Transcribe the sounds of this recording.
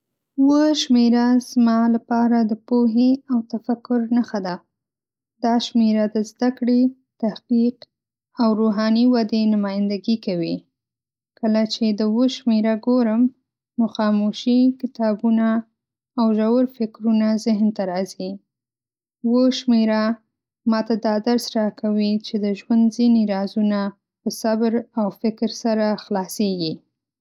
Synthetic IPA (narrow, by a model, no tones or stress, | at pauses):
wəʃmeɾaz̥mɑlapɑɾad̪əpoɦeawt̪afakʊɾnaxad̪a | d̪ɑʃmeɾad̪əzd̪akɽe | t̪ahqiq | awɾoɦɑniwad̪enʊmɑjɪnd̪aɡikawi | kəlat͡ʃed̪əwəʃmeɾaɡoɾəm | noxɑmoʃikɪt̪ɑbunaː | wʒawəɾfɪkɾunazɪɦnt̪aɾɑzi | wəʃmeɾa | mɑt̪ad̪ɑd̪aɾsɾɑkawit͡ʃed̪əʒwand̪ziniɾɑzuna | pəsabɾawfɪkɾsaɾaxlɑseɡi